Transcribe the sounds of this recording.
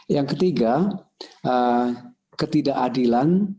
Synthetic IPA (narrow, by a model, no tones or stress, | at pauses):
jaŋkət̪iɡa | ʔə | kət̪idaʔadilan